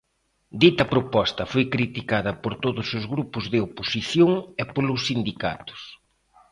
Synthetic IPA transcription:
d̪it̪ɐpɾopɔst̪ɐfojkɾit̪ikaðɐpoɾt̪oðʊsʊzɣɾupʊzðɪoposiθjoŋepolʊsːind̪ika̰t̪ʊ̥s

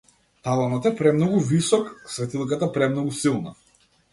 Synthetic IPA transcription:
t̪alˠanɔt̪ɛpɾɛmnɔɡuvisɔksvɛt̪ilˠkat̪apɾɛmnɔɡusilˠna̰

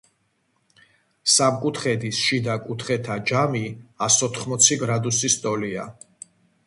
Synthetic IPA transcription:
samkʼut̪ʰχɛd̪isʃid̪akʼut̪ʰχɛt̪ʰad͡ʒamiasɔt̪ʰχmɔt̪sʰiɡɾad̪usist̪ʼɔlia̰

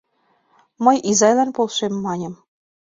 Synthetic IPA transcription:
mɤjizɑjlɑnpolˠʃemːɑnʲɤ̆m

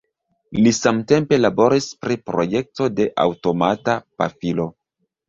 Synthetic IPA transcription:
lisamte̞mpe̞labo̞ɾispɾipɾo̞je̞k̚to̞de̞ʔa̰wto̞matapa̰filo̞

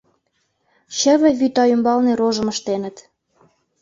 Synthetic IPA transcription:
ɕə̆βɘ̆βyt̪ɑymbɑlneɾoʒə̆mə̆ʃt̪enə̆t̪

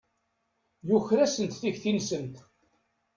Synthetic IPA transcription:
jʊçɾæsənt̪θiçθinsənt̪

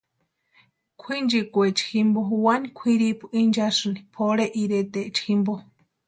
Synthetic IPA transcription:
kʷʰind͡ʒikʷet͡ʃi̥ximbouwanikʷʰiɾipʰu̥ind͡ʒasɨnipʰoɽeʔiɾet̪eʔt͡ʃximbo

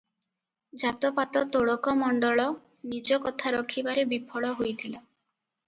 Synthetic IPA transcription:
d͡ʒat̪ɔpat̪ɔt̪oɭɔkɔmɔɳɖɔɭɔ | nid͡ʒɔkɔt̪ʰaɾɔkʰibaɾebipʰɔɭɔɦojt̪ʰila

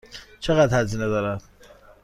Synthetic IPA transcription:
t͡ʃʰeɣæd̪hæziːned̪ɒːɾæd̪̥

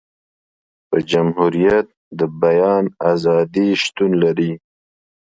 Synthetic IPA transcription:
pəd͡ʒamhuɾijat̪̚ | d̪əbajɑːnazɑd̪iʃt̪unlaɾi

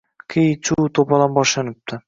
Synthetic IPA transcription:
kʰijt͡ʃʰuːt̪ʰopalˠanbɒʃlanɪp̚t̪ʰɪ

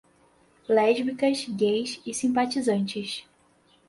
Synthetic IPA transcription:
lɛʒmikɐzɡejsɪsĩpat͡ʃizɐ̃nt͡ʃɪʃ

